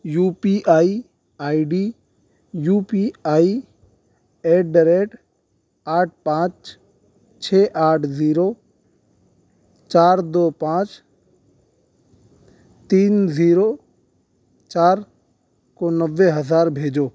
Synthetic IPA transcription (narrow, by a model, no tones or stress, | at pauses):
juːpiʔaːi | aːiɖiː | juːpiaːi | eːɖəɾeʈ | aːʈ̚ʰpãːt͡ʃ | t͡ʃʰeːʔaːʈʰziːɾoː | t͡ʃaːɾd̪oːpãːt͡ʃ | t̪iːnziːɾoː | t͡ʃaːɾ | konəʋːeɦəzaːɾbʱeːd͡ʒoː